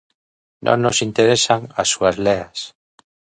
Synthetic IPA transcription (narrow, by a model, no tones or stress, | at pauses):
nʔõ̰nnːosint̪eɾesaŋasːuazleas